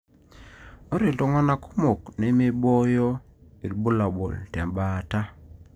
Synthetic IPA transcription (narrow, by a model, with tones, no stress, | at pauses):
o˦ɾe˨lto˦ŋa˦na˦ko˦mo˨kne˦me˦bɔ˦jɔ˦ | i˨ɾbu˦la˨bo̰˨ltɛ˨mba˨ta˦